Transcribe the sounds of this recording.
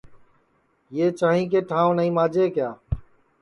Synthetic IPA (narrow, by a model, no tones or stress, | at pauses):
jeːt͡ʃaːɦĩːk̬eːʈʰãːõnəĩːmaːd͡ʒʱeːkjaː